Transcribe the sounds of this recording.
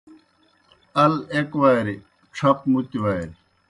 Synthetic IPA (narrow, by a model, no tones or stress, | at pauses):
ɐlekʋaːɾi | ʈ͡ʂʰɐp̚mut̪ʋaːjɾi